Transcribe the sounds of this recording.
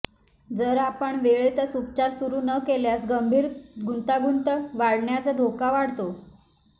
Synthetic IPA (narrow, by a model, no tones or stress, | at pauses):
d͡zəɾapəɳʋeɭet̪ət͡sup̚t͡ɕaɾsuɾuːnəkeljasɡəmbʱiːɾɡʱunt̪aɡunt̪əʋaɽɳjat͡sad̪ʱokaʋaɽt̪o